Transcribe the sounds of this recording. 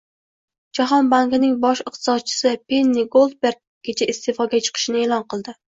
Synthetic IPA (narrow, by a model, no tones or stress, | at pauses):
d͡ʒaɦɒnbaŋkʲnɪŋbɒʃɪq̚t̪ʰɨ̥sɒd̪̚t͡ʃʰɪ̥sɪpʰenːiɡolˠd̪̚beɾɡ̚ɡʲet͡ʃʰaist̪ʰefɒɡʲat͡ʃʰɨ̥qʰɨ̥ʃɪnɪeːlˠɒnqʰɨlˠd̪ɪ